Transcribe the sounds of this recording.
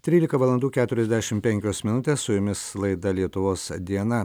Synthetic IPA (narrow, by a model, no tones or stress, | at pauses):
t̪ʲɾʲiːlʲɪkɐʋɐlˠɐnd̪uːkʲæːt̪ʊɾʲɛzʲd̪ʲæʃʲɪmpʲɛŋʲkʲoːsmʲɪnʊt̪ʲeːssʊjʊmʲɪslˠɐɪd̪ɐlʲiɛt̪ʊʋoːsd̪ʲiɛnɐ